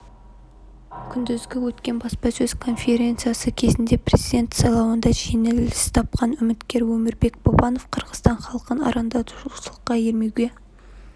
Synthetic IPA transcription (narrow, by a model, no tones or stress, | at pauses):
kʲʰʏnd̪ɪzɡʲɪwɵt̪kʲe̞nbɑspɑsɵz̥kʰo̞nfʲe̞ɾʲe̞nt̪sijasəkʲʰe̞zɪnd̪e̞pʰrʲezijd̪ʲe̞nt̪sɑjlˠɑwənd̪ɑʒenelɪst̪ʰɑp̚qɑnʏmɪt̪kʲe̞ɾwɵmɪɾbe̞k̚bobɑno̞fqʰəɾʁəst̪ɑɴχɑlˠəqənɑ̰ɾɑnd̪ɑt̪əʒusəlˠəqːɑjeɾme̞wɡʲe̞